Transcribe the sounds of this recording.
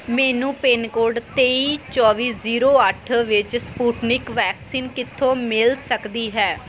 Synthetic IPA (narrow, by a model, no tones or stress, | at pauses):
mɛːnũːpeːnkoːɖt̪eːiːt͡ʃɔːʋiːziːɾoːəʈʰʋɪt͡ʃspuːʈnɪkʋɛːksiːnkɪt̪ʰːõːmɪlsəkd̪iːɦɛː